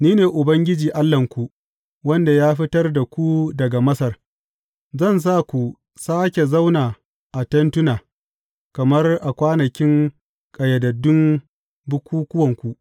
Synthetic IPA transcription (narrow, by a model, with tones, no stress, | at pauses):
niː˦neː˨ʔʊ˨bɐ˦ŋɡʲɪ˦d͡ʒiː˨ʔa˦lːɐ˨ŋkʷu˨ | wɐ˦nda˨jaː˦ɸɪ˦tɐ˦rda˨kʷu˦dɐ˨ɡa˨mɐ˦sɐ˨r | zɐ˦˨ns̬aː˦kʷu˨ | saː˦kʲe˨za˦wnaː˨ | ʔa˨tɐ˦ntʊ˦naː˨ | kɐ˨mɐ˦rʔa˨kʷaː˦nɐ˨kʲɪ˦ŋ | kʼɐ˨jɐ˨dɐ˨dːʊ˦m | bʊ˦kʷuː˦kʷʊ˦wɐ˨ŋkʷu˨ʔ